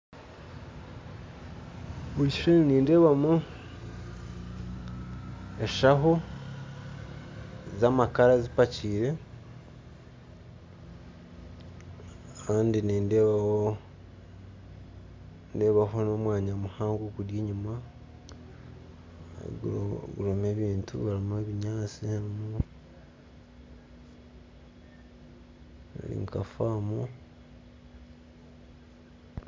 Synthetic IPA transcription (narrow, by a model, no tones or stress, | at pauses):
βuɾiʃʃenniːnde̞βamo | eʃaɦo | zamakaɾazipaciːɾe̞ | kaːndiniːndeβao | nde̞βahono̞ːmwaːɲamuhaːŋɡokudjeːɲuma | ɡuɾomeːβiːntṵβaɾimeβiɲaːt͡siamu | a̰lḭŋkafaːmu